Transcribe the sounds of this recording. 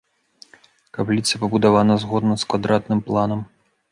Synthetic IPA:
kaplʲit̪sɐpɐbud̪avanɐzɣɔd̪nɐskvad̪ɾat̪nɨmplˠanɐm

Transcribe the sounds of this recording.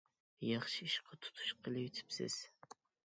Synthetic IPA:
jɑχʃiiʃqʰɑt̪ʰu̥t̪ʰu̥ʃqʰəlɨjyt̪ʰy̥psɪ̰z̥

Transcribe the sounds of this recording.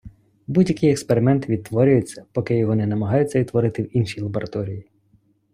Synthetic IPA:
budʲjɐkɪjekspeɾɪmɛnt̪ʋʲid̪t̪ːʋɔɾʲʊjʊt͡sʲːɐ̥pɔkɪjɔɦɔnɛnɐmɐɦɑjʊt͡sʲːɐʋit̪ːʋɔɾɪt̪ɪwinʃʲijlˠɐbɔɾʔɐt̪ɔɾʲiji

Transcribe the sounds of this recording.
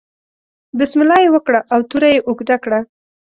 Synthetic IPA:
bɪsmɪlɑjewəkɽaʔawt̪uɾajeʔʊɡd̪akɽa

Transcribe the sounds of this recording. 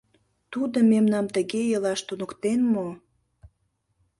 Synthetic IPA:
t̪ud̪omemnɑmt̪əɣejəlɑʃt̪unə̆kt̪enmo

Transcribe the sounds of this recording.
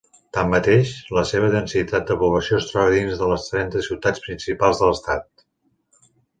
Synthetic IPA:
t̪amːət̪eʃləseβ̞əðənsit̪at̪̚d̪əpuβləsiost̪ɾəɾðinzðələst̪ɾɛnt̪əsiwt̪at͡spɾinsipalˠzðələst̪at̪̚

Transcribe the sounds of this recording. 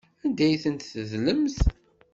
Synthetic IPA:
ænd̪æjθənt̪θəzləmθ

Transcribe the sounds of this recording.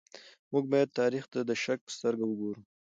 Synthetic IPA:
muɡ̚bɑjad̪̚t̪ɑɾixt̪ad̪əʃak̚pə̥st̪əɾɡawəɡoɾu

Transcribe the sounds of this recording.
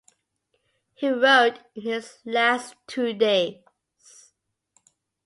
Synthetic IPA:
hiɹoʊthɪzlæstʰʉdeɪ | z̥

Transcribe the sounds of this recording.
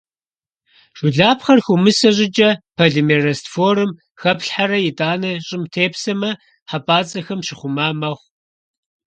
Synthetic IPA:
ʒ̥ʷʊɮaːpχɐrxumɨsɐʑʼɪd͡ʒʼɐpʰɐɮɨmeːrɐstfoːrɨm | xɐpɬħaɾɐjɪtʼaːnɐɕʼɪmtʰeːpsɐmɐ | ħapʼaːt͡sʼɐxɐmʃɪχʷʊmaːmɐʁʷ

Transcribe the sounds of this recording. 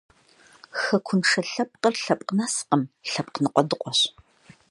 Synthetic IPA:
xɐkʷʰʊnʂɐɬɐp̚ʼqərɬɐpʼqnasqəmɬɐp̚ʼqnɨqʷʼɔdɨqʷʼɔɕ

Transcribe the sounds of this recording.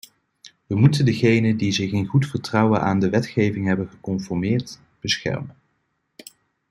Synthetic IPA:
ʋəmutəndəχejnədizɪχɪnχutfəɹtrɑwənʔaːndəʋɛtχejvɪŋɦɛbənχəkɔmfɔɹmɪːɹt | b̥əsχɛ̰ɹmən

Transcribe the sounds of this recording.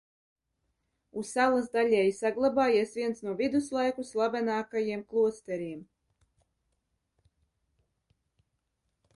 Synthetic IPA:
usalˠazd̪alʲɛjsaɡlˠabaːjiɛsvʲiɛnsnuɔvʲid̪uslˠajkuslˠabɛnɑːkajiɛmklˠuɔst̪ɛɾiɛm

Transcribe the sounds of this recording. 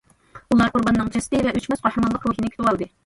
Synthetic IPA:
ulˠɑɾqʊɾbɑnːɨŋt͡ʃʰɛst̪ɨvɛʔøt͡ʃmɛsqohɾəmɑnlˠəqɾuɦinɪkʲy̥t̪ʰɪwɑlˠd̪ɨ

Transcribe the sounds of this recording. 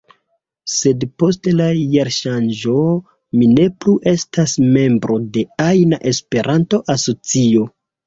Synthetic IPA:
se̞dpo̞stlajaɾʃand͡ʒo̞ | mine̞pluʔe̞stasme̞mbɾʔo̞de̞ajnaʔe̞spe̞ɾʔanto̞ʔaso̞t͡sio̞

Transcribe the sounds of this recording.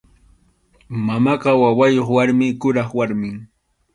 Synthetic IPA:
mamɑqɑwawajoχwaɾmɪkʊɾɑχwaɾmɪŋ

